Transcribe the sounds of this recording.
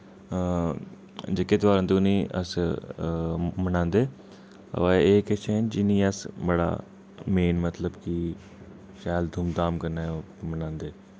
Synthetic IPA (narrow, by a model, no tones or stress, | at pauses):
d͡ʒekːet̪ʋaːɾə̃nt̪unĩːʔə̰s | mənãːnd̪eː | ə̰ʋaeːket͡ʃeːnd͡ʒɪnĩːəsbəɽa̰ː | meːnmət̪ləbki | ʃaːld̪ʱumd̪aːmkəɾnaː | mənãːnd̪eː